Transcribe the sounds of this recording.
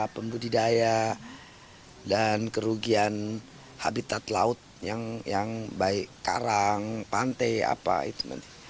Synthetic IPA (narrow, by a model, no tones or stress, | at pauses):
pəmbudidaja | dankəɾuɡian | ha̰bit̪at̪la̰ʊt̪̚jaŋjaŋbaɪʔka̰ɾaŋpant̪aja̰pa̰ḭt̪unə̰nt̪i̥